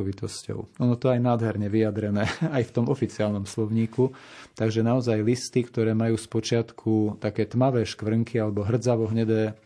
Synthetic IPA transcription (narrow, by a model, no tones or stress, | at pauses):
ɔʋit̪ɔscɔ̰ʊɔnɔt̪ɔajnaːd̪ɦɛɾɲɛʋiad̪ɾɛnɛːajft̪ɔmɔfit͡sɪaːlnɔmslɔʊɲiːkut̪aɡʒɛnaɔzajlist̪ikt̪ɔɾɛːmajuːspɔt͡ʃɪat̪kʰut̪akɛːt̪maʋɛːʃkʋr̩ŋkialɛbɔɦr̩d͡zaʋɔɦɲɛd̪ɛː